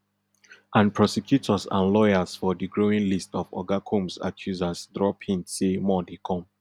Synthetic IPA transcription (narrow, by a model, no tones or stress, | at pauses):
ʔãnpʰɹɔsɛkʰjutʰɔsã̰nlɔjasfɔdiɡɹoĩnlistɔfɔ̰ɡakʰõmsa̰kʰjuzasdɹɔpĩnsemɔdekʰɔ̃m